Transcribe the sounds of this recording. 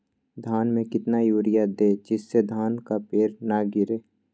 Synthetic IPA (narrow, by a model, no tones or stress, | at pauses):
d̪ʱaːnmẽkɪt̪najuːɾɪjad̪eːd͡ʒɪsːed̪ʱaːnkapeːɾnaɡɪɾeː